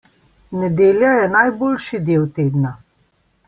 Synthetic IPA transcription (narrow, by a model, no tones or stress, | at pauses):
nɛd̪eːljajɛnajboːlʃid̪eːwt̪eːd̪na